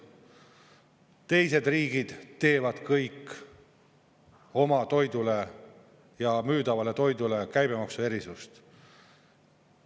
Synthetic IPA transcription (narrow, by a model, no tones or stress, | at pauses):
t̪e̞jse̞d̪riːɡid̪̥t̪e̞ːvɑd̪̥kɤjkː | o̞mɑt̪o̞jd̪ule̞ | jɑmyːd̪ɑvɑle̞t̪o̞jd̪ule̞kæjb̥e̞mɑksue̞ɾisust̪